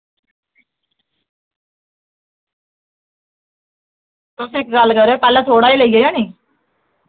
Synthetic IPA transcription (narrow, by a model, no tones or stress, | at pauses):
t̪ʊsĩːɪkɡəlkəɾoːpɛːlɛ̃ːt̪ʰoːɽaːiːləiːaːjãːnĩː